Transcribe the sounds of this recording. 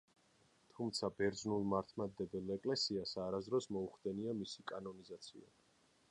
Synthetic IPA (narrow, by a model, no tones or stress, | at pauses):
t̪ʰumt̪sʰabɛɾd̪znulˠmaɾt̪ʰmad̪ɛbɛlɛkʼlɛsiasaɾazd̪ɾɔsmɔuχd̪ɛniamisikʼanɔnizat̪sʰia̰